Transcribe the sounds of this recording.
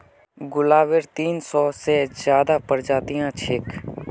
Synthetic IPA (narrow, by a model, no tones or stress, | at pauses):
ɡʊlaːʋeɾt̪iːnsɔːsezjaːd̪apəɾd͡ʒaːt̪ijãt͡ʃʰɪk